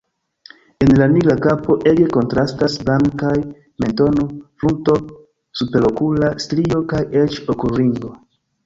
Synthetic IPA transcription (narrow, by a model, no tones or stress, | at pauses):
e̞nlaniɡɾakapo̞ʔe̞ɡe̞ko̞ntɾastasblaŋkaj | me̞nto̞nofɾunto̞ | supe̞ɾo̞kulastɾio̞kajet͡ʃokuɾiŋɡo̞